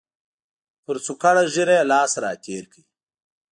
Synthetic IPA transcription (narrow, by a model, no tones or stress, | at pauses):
pʊɾt͡sukaɽaʒiɾajelɑːsɾɑ̰ːt̪ʰeːɾki